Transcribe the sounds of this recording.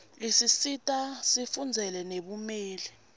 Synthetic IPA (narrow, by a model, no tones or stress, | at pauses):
isisitʼasifund͡zʱɛlɛneɓumɛːlɛ